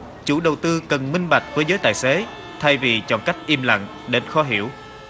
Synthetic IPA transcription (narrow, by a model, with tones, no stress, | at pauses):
t͡ɕṵ˧˩ɗə˨˩wt̪ɨ˧kə˨˩nmï˧ŋ̟ɓa˨˩jk̚vəː˨˦jzəː˨˦jt̪aː˧˨jse˨˦ | t̪ʰa˧jvi˨˩t͡ɕɔ̰˧˨nka˦˥jk̟̚ʔi˧əmla̰˧˨ŋ | ɗe˨˦nxɔ˧˦ɦḭ˧˩˨əw